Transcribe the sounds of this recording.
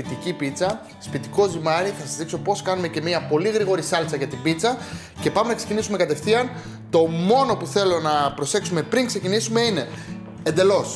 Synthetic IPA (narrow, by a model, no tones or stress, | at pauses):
it̪icipit͡sɐ | spit̪iko̞zimɐɾiθɐsɐzðikso̞po̞skɐnume̞ce̞miɐpo̞liɣɾiɣo̞ɾisɐlt͡sɐʝɐt̪ibit͡sɐ | ce̞pɐme̞nɐkse̞cinisume̞kɐt̪e̞fθiɐn | t̪o̞mo̞no̞puθe̞lo̞nɐpɾo̞se̞ksume̞pɾiŋkse̞cinisume̞ine̞ | end̪e̞lo̞s